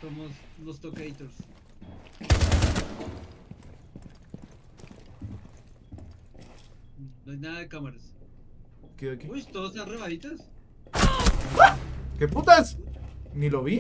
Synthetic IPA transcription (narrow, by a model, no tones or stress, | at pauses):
somoslost̪okeit̪oɾs | noajnaðaðekamaɾas | keðokist̪oðosanreβaðit̪as | ɡakeput̪asniloβi